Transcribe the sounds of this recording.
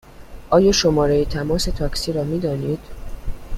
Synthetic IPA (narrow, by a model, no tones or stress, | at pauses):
ʔɒːjɒːʃomɒːɾejit̪ʰæmɒːse̞t̪ʰɒːksiːɾɒːmiːd̪ɒːniːd̪̥